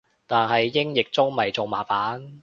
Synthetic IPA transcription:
t̪aː˨˩nɦɐ˨jːɪ˥ŋjɪ˨k̚t͡sʊ˥ŋmɐ˨jt͡so˨˩wmaː˨˩faː˨˥n

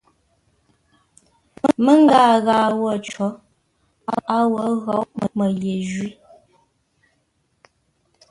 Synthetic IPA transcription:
mə˦mə˦ŋ˦ɡaː˦˨ɣaː˨wɔ˦˨t͡ʃɔ˨˦ | a˦a˦wɔ˨˦ɣɔ˨˦ʔmə˨mə˨ɣje˨ʒɥi˦

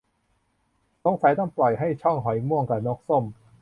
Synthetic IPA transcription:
lo˧˦˥ŋsa˨˩˦jt̪a˧˥˩mplɔ˨˩jɦa˥˩jt͡ɕʰɔ˥˩ŋɦɔ˩˦jmu˥˩əŋka˨˩nɔː˦˥k̚so˥˩m

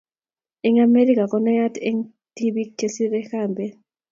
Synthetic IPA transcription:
ɛ˦ŋa˦me˦ɾi˦kʼa˨kɔ˦na˦ja˦te˦ŋ | ti˦ɓi˦kʰe˨si˦ɾɛ˦xaː˨mbʱɛ˨

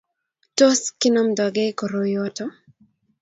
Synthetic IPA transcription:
to˦skɪ˦no˦mdɔ˨ɡe˦ko˨ɾo˨joto˦

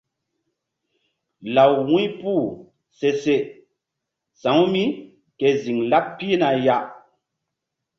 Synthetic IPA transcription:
la˨wwũ˦jpu˦˨ | se˨se˨ | sã˨˦wmi˦ | ke˨zi˨ŋla˦pːi˦na˨ja˨ʔ

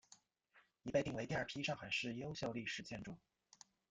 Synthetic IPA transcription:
i˧˥pa˥˧ɪi˥˩ŋwe˧˥t̪i˥˧ɐ˞˥˩pʰi˥ʂɑ˥˩ŋxa˨˩˦ɪʂɻ̩˥˩jo˥ʊɕjo˥˧ʊli˥˩ʂɻ̩˧˩t͡ɕʰjɛ˥˧nʈ͡ʂu˥˩ŋ

